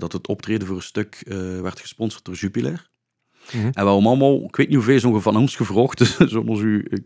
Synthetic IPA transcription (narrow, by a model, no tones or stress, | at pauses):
d̥ɑtɦətɔp̚treːdənvoːrəstøkəʋɛrtxə̥spɔnsərt̚d̥oːrʒypilɛr | ɛ̃nʋɛɔmɑlˠmɑlˠɪkʋeːtniɦuveːlˠsoŋɣəvɑnɔnsxəvroːxtzonɔzy